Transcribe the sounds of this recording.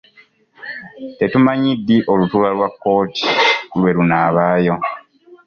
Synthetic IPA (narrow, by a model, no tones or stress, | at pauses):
te̞tumaɲidːiʔo̞lutuːlalwakːo̞ːti̥lwe̞lunaːβaːjo̞